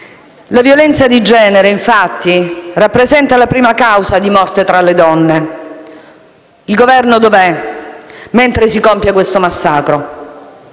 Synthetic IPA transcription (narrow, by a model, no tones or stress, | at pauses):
lavjolɛnt̪sad̪id͡ʒɛːneɾeiɱfat̪ːirapːɾezɛnt̪alapɾiːmakawsad̪imɔrt̪et̪ɾaled̪ɔnːe | ilɡovɛrnod̪ovɛ | ment̪ɾesikompjakwest̪omasːaːkɾo